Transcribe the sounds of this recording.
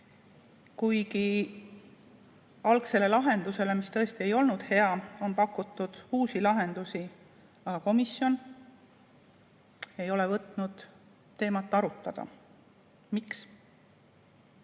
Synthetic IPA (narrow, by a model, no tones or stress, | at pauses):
kujki | ɑlkse̞le̞lɑɦe̞nd̪use̞le̞mist̪ɤ̞est̪ie̞jo̞lnud̪̥he̞ɑo̞npɑkːˑut̪ːˑud̪̥uːsilɑɦe̞nd̪̥usi | ɑɡ̥ɑko̞misjo̞n | e̞jo̞le̞vɤt̪ˑnud̪̥ː | e̞ːmɑt̪ːˑɑɾut̪ˑːɑd̪̥ɑ̰ | miks